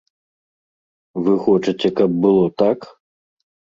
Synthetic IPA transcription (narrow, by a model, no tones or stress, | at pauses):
vɨxɔt͡ʂɨt͡sʲɛkɐb̚bɨlˠɔt̪ak